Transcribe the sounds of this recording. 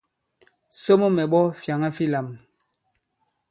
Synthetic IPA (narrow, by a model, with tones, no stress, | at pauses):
so˦mo˦mɛ˨ɓɔ˦fja˨ŋa˦fi˦la˨m